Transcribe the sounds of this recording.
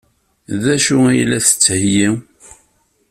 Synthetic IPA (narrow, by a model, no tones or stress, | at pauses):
ðæʃuæjlːæθə̥t͡sːhji